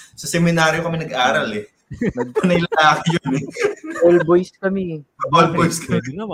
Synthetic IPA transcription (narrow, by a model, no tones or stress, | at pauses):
sɐsɛmɪnaːɾjokɐmɛnɐɡʔaːɾɐlɛ | nɐɡ̚pɐnɐɪlɐŋlaːkɪjonɛolbojskɐmiɐbolbojskʰɐmɛ